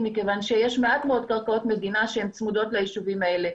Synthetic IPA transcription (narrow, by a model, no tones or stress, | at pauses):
mikevanʃejeʃmeat̪meo̞d̪̚kaʁkao̞t̪me̞d̪inaʃehemt͡smud̪o̞t̪leiʃuvimae̞le̞